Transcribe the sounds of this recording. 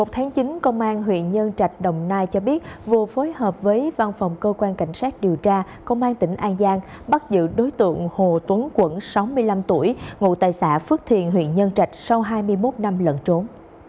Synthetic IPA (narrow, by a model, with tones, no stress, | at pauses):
mo˨˩t̚t̪ʰaː˨˦ŋt͡ɕi˨˦nkə˧wŋ͡mʔaː˧nɦwḭ˧˨ənɲə˧nt͡ɕa˨˩jk̟̚ɗə˨˩wŋ͡mnaː˧jt͡ɕɔ˧ɓi˦˥ət̚vɨ˨˩əfo˨˦jhəː˨˩p̚vəː˨˦jva˧nfɔ˨˩wŋ͡mkəː˧kwaː˧nka̰˧˩jŋ̟saː˦˥k̚ɗi˨˩əwt͡ɕaː˧ | kə˧wŋ͡mʔaː˧nt̪ï˧˩ŋ̟ʔaː˧nzaː˧ŋ | ɓa˦˥t̚zɨ̰˧˨ɗo˨˦jt̪ɨ̰˧˨əŋho˨˩t̪wə˨˦nkwə˧˥nsa˨˦wmɨ˧əjla˧mt̪u˧˩əjŋṵ˧˨t̪aː˨˩jsa̰ː˧˥fɨ˦˥k̚t̪ʰḭ˧˨ənɦwḭ˧˨ənɲə˧nt͡ɕa˨˩jk̟̚sa˧wɦaː˧jmɨ˧əjmo˦˥t̚na˧mlə̰˧˨nt͡ɕo˨˦n